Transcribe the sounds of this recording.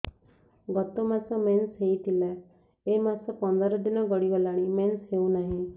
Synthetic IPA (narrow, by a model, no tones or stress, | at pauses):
ɡɔt̪omãsɔmensɦeit̪ʰilɛː | eːmasɔpɔ̃nd̪aɾɔd̪ɪnãɡəɽiʋəlaːɽ̃imensɦeũnaɦĩ